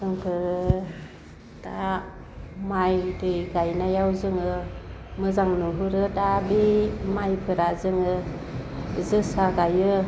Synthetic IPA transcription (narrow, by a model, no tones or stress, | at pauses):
ɯŋkʰɯɾ | d̥a | majdɯjɡajnajawzɯŋɯmɯzaŋnuɦuɾɯdabimajpʰɯɾazɯŋɯ | zɯsaɡajɯ